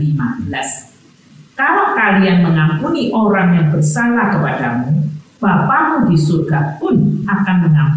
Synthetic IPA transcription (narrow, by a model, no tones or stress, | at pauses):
limabəlas | kalawkalianməŋampuniʔoɾaŋjaŋbərsalakəpadamub̥apamudisurɡapʊnakanməŋamp